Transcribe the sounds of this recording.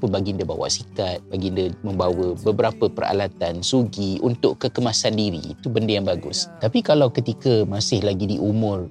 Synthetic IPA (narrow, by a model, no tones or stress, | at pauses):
pʊnbaɡindəba̰wa̰ʔsikat̪̚baɡindəmə̃mbawəbəbəɾapəpəra̰lat̪ansuɡiunt̪ʊʔkəkəmasandiɾḭːt̪ubəndəjaŋbaɡʊ̰st̪apikalawkət̪ikəmasɪhlaɡidiʔumʊ̃r